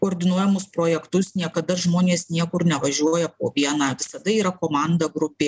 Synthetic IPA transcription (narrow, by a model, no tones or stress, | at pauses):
koːɾʲd̪ʲɪnuɔjɛmʊspɾoːjɛkt̪ʊsnʲiɛkɐd̪ɐʒmoːnʲeːsnʲiɛkʊɾnʲɛʋɐʒʲuɔjɛpoːʋʲiɛnɑːʋʲɪsɐd̪ɐiːɾɐkoːmɑˑnd̪ɐɡɾʊpʲeː